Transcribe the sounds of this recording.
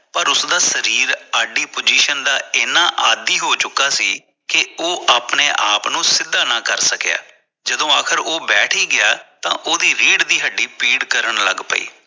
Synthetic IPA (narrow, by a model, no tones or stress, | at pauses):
pəɾʊsd̪aːsəɾiːɾaːɖiːpod͡ʒiːʃənd̪aːeːnãːʔaːd̪iːɦoːt͡ʃʊkːaːsiː | kɪoːʔaːpneːʔaːpnũːsɪd̪ːaːnãːkəɾsəkja̰ː | d͡ʒəd̪õːaːkʰəɾoːbɛːʈʰiːɡɪaːt̪ã̰ːʔoːd̪iːɾeːɖd̪iːɦəɖiːpiːɖkəɾəɳlə̰ɡpə̰ḭː